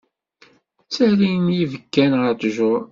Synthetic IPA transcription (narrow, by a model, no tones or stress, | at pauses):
t͡sːæɾinjivəkːænʁəɾt̪ʒʊɾˤ